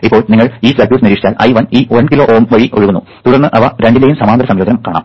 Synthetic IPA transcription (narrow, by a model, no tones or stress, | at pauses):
ipːo̞ːɭniŋːɐɭiːsɐɡʲjuːʈniɾiːʂi̥t͡ɕaːlʔɐ̰jʋɐniːʋɐnkilo̞ːʔoːmʋɐɻiʔoɻuɣunːu | t̪uɽɐrnːɨʔɐʋɐɾe̞ɳɖileːjumsɐmaːnd̪ɾɐsɐmjoːd̪ɐnɐmkaːɳa̰ːm